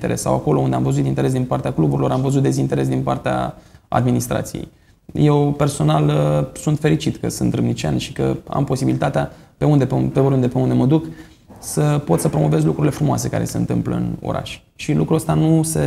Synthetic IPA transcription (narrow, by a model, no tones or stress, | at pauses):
t̪eɾʔessa̰wako̞lound̪e̞amvəzut̪int̪e̞ɾe̞s̬d̪inpart̪eaklubuɾilo̞ɾamvəzut̪d̪e̞zint̪e̞ɾe̞s̬d̪inpart̪ea̰a̰d̪minist̪ɾa̰t̪sijḛj | je̞wpe̞rso̞nalsunt̪fe̞ɾit͡ʃit̪kə̰sɨnt̪ɾɨmnit͡ʃia̰nʃi̥kə̰a̰mpo̞sibilit̪at̪eapeund̪epeɾund̪epeund̪e̞məd̪uk | səpo̞t̪səpɾo̞mo̞ve̞zlukɾuɾile̞fɾumoa̰se̞kaɾe̞̰se̞ɨ̰nt̪ɨ̰mplə̰ɨ̰no̞̰ɾa̰ʃʲ | ʃilukɾuəst̪anuse̞